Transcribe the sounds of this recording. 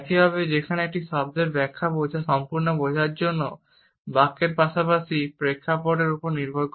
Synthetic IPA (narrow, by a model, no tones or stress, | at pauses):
kiɦɔbed͡ʑekʰaneek̚ʈiʃɔb̚d̪eɾbɛkʰːabod͡ʑʱaʃɔmpuɾnobod͡ʑʱaɾd͡ʑonːo | bakːeɾpaʃapaʃipɾekʰːapoʈeɾupoɾniɾbʱoɾk